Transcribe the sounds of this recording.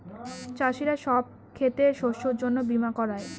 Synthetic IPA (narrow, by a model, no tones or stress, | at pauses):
t͡ɕaʃiɾaʃɔb̚ | kʰet̪eʃoʃoɾd͡ʑonːobimakɔɾae